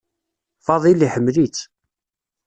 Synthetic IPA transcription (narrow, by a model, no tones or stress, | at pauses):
fɑðˤiliħəmːlit͡sː